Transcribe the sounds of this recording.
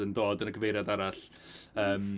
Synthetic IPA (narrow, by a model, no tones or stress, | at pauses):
əndoːdənəɡəvejɾjadaɾaɬ | əːm